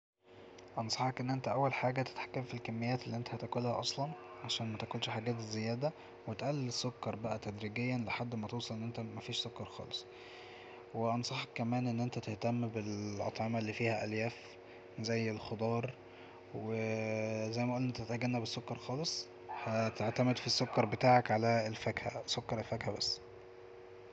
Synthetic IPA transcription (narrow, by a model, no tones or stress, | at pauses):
ʔɑnsˤɑħɑkʔenːʔent̪æʔæwːælħaːɡæt̪e̥t̪ħḁkːæmfilkæmːejːæːt̪elːiʔent̪æhæt̪ækolhæʔɑsˤlɑnʕaʃæːnmæt̪ækolʃħaɡæːt̪zejæːd̪æ | wet̪ʔælːesːokːɑɾˤbæʔæt̪æd̪ɾiːɡejːænleħad̪ːmæt̪eːsˤɑlʔenːʔent̪æmæfiːʃsokːɑɾˤxɑ̰ːlesˤ | weʔɑnsˤɑħɑkːæmæːnʔenːʔent̪æt̪eht̪æmːbelʔɑ̰t̪ˤʕemælːiːfiːhæʔæljæːf | zæjːelxod̪ˤɑːɾˤ | we | zæjːmæʔulːʔent̪et̪æɡænːæbesːokːɑɾˤxɑːlesˤ | hæt̪eʕt̪æmed̪fisːokːɑɾˤbet̪aːʕekʕalæelfækhæsːokːɑɾˤelfækhæbæsː